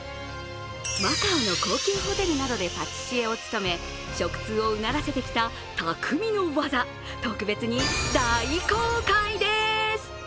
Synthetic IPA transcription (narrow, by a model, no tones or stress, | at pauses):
makaːno̞ko̞ːkʲɨːho̞t̪e̞ɾɯ̟nad̪o̞d̪e̞pat͡ɕɨ̥ɕie̞o̞t͡sɨ̥t̪o̞me̞ | ɕo̞kɯ̟̥t͡sɨːo̞ɯ̟naɾase̞t̪e̞kʲi̥t̪a | t̪akʰɯ̟mʲino̞βaza | t̪o̞kɯ̟be̞t͡sɨɲ̟id̪aikoːkaid̪e̞sɨ̥